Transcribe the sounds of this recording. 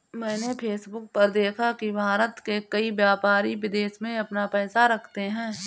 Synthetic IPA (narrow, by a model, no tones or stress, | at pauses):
mɛ̃ːnepʰeːsbʊk̚pɐɾd̪eːkʰakibʱaːɾət̪kekɐiʋjaːpaːɾiʋɪd̪eːʃmẽɐpnapɛːsaɾɐkʰt̪eɦɛ̃ː